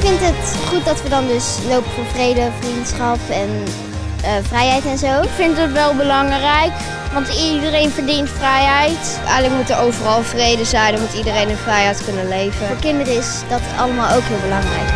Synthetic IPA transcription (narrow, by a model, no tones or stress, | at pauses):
kfɪntɦətχut̚dɑtʋədɑndɵs | lowpəfoːɹvrejdəvrintsχɑpɛn | əvrɛjɦɛjtɛnzowkfɪntətʋɛlˠbəlɑŋrɛjk | ʋɑntidərejnvəɹdintfrɛjɦɛjt | ʔɛ̰jələkmutəɹowvərɑlˠvrejdəzɛjnəmutidərejnənvrɛjɦɛjtkɵnənlejvəɹkɪndərəɪsdɑtətɑləmaːlˠowkɦɪːlˠbəlɑŋrɛ̰jk